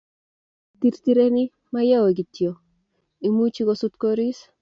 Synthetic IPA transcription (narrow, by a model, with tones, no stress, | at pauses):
t̪i˨ɾti˦ɾe˦ni˦ | maja˦wo˨ɡi˨tjo˨ | i˨mu˦t͡ʃi˦ɡosu˦t̪koɾi˦s